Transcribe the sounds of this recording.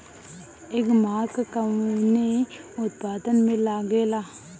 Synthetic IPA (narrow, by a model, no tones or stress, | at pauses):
eːkmaːkkəmneʊt̪paːd̪ənmẽlaɡelaː